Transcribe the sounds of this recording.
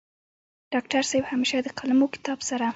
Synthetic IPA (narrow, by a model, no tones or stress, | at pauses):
ɖ̥ɑk̚ʈaɾsabhameʃad̪əqʰalamokɪ̥t̪ɑbsaɾa